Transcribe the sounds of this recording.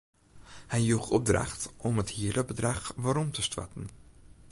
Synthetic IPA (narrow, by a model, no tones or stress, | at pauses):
hɛjjuχɔb̚dra̰χtɔmɦəthiələbədrɑχvaːɾɔmtəstva̰tən